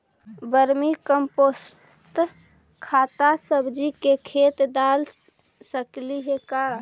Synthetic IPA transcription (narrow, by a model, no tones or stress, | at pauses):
bəɾmikəmpos | t̪ | kʰaːt̪asəbʱd͡ʒikekʰet̪d̪al | səkliɦeka